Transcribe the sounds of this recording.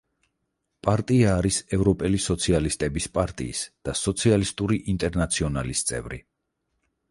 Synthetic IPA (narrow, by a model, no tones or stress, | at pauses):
pʼaɾt̪ʼiaːɾisɛvɾɔpʼɛlisɔt̪sʰialist̪ʼɛbispʼaɾt̪ʼḭːsd̪̥asɔt̪sʰialist̪ʼuɾiʔint̪ʼɛɾnat̪sʰiɔnalist̪sʼɛ̰vɾḭ